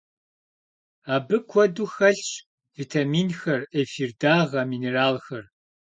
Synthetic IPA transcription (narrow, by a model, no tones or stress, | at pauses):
aːbɨkʷʰɔduxɐɬɕʼ | vitʰamiːnxɐrefirdaːʁɐmiːneraːlxɐr